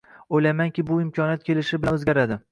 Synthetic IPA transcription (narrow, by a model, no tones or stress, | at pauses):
ojlajmaŋkʲɪbʊɪmkʲʰɒnjɒt̪̚kʲʰe̞lɪʃɪbɪlaozɡʲaɾad̪ɪ